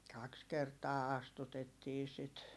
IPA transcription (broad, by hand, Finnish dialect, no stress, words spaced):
kɑks kertɑː ɑstutetːiː sit